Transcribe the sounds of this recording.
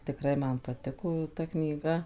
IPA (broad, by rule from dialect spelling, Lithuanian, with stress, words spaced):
tʲɪkˈrɐɪ ˈmɐn pɐˈtʲɪkoː jɛʊ ˈtɐ knʲiːˈɡɐ